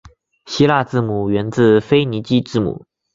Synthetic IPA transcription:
ɕi˥la˥˧t͡sɹ̩˥˩mu˨˩ɥɛ˧˥nt͡sɹ̩˥˩fe˥ɪni˧˥t͡ɕi˥ʈ͡ʂɻ̩˥˩mṵ˨˩˦

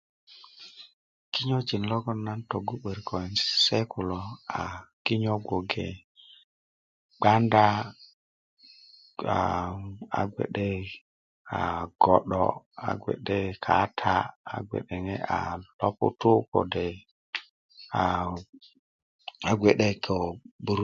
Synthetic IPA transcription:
ki˦ɲɔ˦d͡ʒi˨n˨lɔ˦ɡɔ˦nːa˦nto˨ɡu˦ɓe˨ɾkʰɔ˨ɛ˨nssɛ˦kʰu˨lɔ˨a˨ki˦ɲɔ˦ɡo˨ɡɛ˨ | ɡ͡ba˦nda˦ | a˨a̰˨ɡʷɛ̰˨ɗɛ˦ | a̰˨ɡ̥ɔ˨ɗɔ̰˨ | a̰˨ɡwɛ̰˨ɗɛ˦kʰa˨˦tʰa˦a̰˨ɡʷɛ̰˨ɗɛ˨ŋɛ˦a̰˨lɔ˦pʊ̰˦tu˦kɔ̰˨dɛ˨ | a˨ | a˨ɡʷe˨ɗɛ˦kɔ˨bu˨ɾ

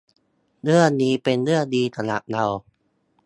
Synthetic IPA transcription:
nɯ˥˩əniː˦˥pe˧nlɯ˥˩ɐədiː˧t̪ʰa˧la̰˨˩p̚na˧w

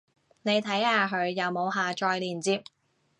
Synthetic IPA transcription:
ne˨˧jt̪ʰɐ˨˥jhaː˨˧ɦɵ˨˧ɥjɐ˨˧wmo˨˧wɦaː˨t͡ʃɔː˧jliː˨˩nt͡siː˧p̚

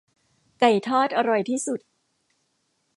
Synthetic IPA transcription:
ka˨˩jt̪ʰɔː˥˩t̪̚ʔa˧ɾɔ˨˩jt̪ʰiː˥˩su˨˩t̪̚

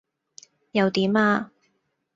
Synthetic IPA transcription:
jɐ˨˧wt̪iː˨˥maː˧

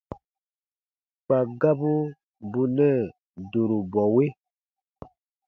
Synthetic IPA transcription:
k͡pa˨ɡa˦bu˦ | bu˦nɛ˦˨ | do˨ɾu˨bɔ˨we˦

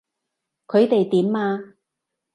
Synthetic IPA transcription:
kʰɵ˨˧ɥt̪e˨jt̪iː˨˥mːaː˧

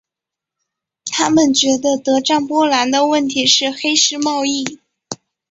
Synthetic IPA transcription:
t̪ʰa˥mə˨nt͡ɕɥɛ˧˥d̪ə˧t̪ɤ˧˥ʈ͡ʂa˥˩ŋpwɔ˥la˧˥nd̪ə˧wə˥˩nt̪ʰi˧˥ʂɻ̩˥˩xe˥ɪʂɻ̩˥˧mɑ˥˧ʊi˥˩

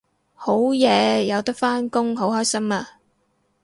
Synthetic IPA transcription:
ho˨˥wjɛː˨˧jɐ˨˧wt̪ɐ˥k̚faː˥nkʊ˥ŋɦo˨˥whɔː˥jsɐ˥maː˧

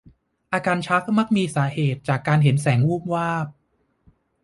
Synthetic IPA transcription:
ʔaː˧kaː˧nt͡ɕʰa˦˥k̚ma˦˥k̚miː˧saː˩˦heː˨˩t̪̚t͡ɕaː˨˩kːaː˧nɦe˩˦nsɛː˩˦ŋwuː˥˩m̚waː˥˩p̚

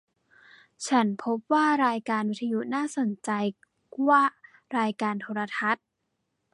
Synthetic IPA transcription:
t͡ɕʰa˦˥npʰo˦˥p̚waː˥˩ɾaː˧jkaː˧nwt̪ʰːa˧ju˦˥ʔnaː˥˩so˨˩˦nt͡ɕa˧j | kwaː˥˩ | ɾaː˧jkaː˧nt̪ʰoː˧ɾa˧t̪ʰa˦˥t̪̚

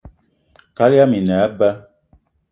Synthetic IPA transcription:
ka˦li˦a˦mi˨nɛ˨˦ba˦

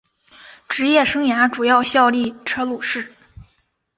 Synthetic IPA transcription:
ʈ͡ʂɻ̩˧˥jɛ˥˩ʂɤ˥ŋja˧˥ʈ͡ʂu˨˩jɑ˥˧ʊɕjɑ˥˧ʊli˥˩ʈ͡ʂʰɤ˥lu˨˩ʂɻ̩˥˩

